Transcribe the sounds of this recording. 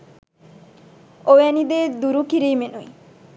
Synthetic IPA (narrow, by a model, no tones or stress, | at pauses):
oɛnid̪ed̪uɾukiɾijmenuj